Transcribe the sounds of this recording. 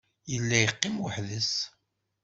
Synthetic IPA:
jəlːæjəqːɪmwəħðəs

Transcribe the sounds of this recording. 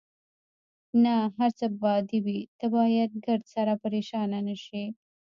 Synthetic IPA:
naɦaɾt͡səbɑd̪ibit̪abɑjad̪̚ɡaɾd̪saɾapaɾeʃɑnanaʃi

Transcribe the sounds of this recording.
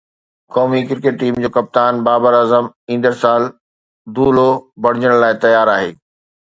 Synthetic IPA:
kɔːmikɪɾkeʈ̚ːiːmd͡ʑoːkɐp̚t̪aːnbaːbəɾaːzəmĩːn̆d̪əɾsaːl | d̪uːlobɐɽ̤ɪd͡ʑəɽ̃laːɪt̪ɐjaːɾaːɦḛː

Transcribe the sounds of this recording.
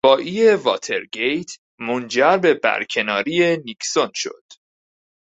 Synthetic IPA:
ɒːʔiːevɒ̰ːt̪ʰe̞ɾɡe̞jt̪ʰ | mond͡ʒæɾbe̞bæ̰ɾcʰe̞nɒːɾiːe̞nikʰsonʃo̰d̪̥

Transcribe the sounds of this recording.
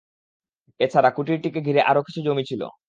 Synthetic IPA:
et͡ɕʰaɾakuʈiɾʈikeɡʱiɾeʔaɾoki̥t͡ɕʰud͡ʑomit͡ɕʰilo̰

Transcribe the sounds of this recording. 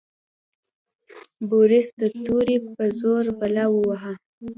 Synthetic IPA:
boɾɪsd̪ət̪uɾepəzoɾbalawəwaɦa

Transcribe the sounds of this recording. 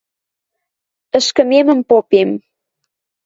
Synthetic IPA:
ə̆ʃkə̆memə̆mpopem

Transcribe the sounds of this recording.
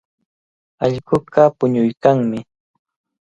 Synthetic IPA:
ɑʎɢʊɢapʊɲʊjkaŋmɪ

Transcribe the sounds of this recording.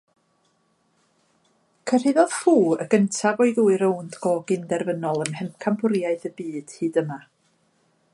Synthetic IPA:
kʰər̥ɪðɔð̥fuːəɡ̥əntʰavɔɨɡuːɨɾəwndɡɔːɡɪndɛrvənɔlˠəmhɛmkʰambʊɾjaɨðəbiːd̥hɨːdəma

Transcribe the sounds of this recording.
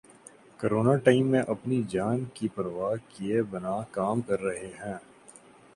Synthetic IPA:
koɾoːnaʈaːɪmːẽʔɐpnid͡ʒaːnkipɐɾʋaːɦkiebɐnakaːmkɐɾːɐɦeɦɛ̃ː

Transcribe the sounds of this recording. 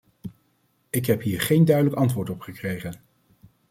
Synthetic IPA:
ɪkɦɛpɦiːɹχejndœɥdələkɑntʋʊːɹtɔpχəkrejχən

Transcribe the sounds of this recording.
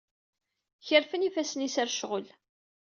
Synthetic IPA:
çəɾfənifæsnisæɾʃʁəl

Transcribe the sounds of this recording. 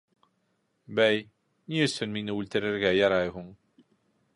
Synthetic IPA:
bæj | niɵsɵnminəult̪ə̆ɾɘ̆ɾɡæjɑɾˤɑjɦʊɴ

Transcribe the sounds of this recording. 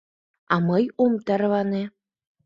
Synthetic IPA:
ɑmɤjomt̪ɑɾβɑne

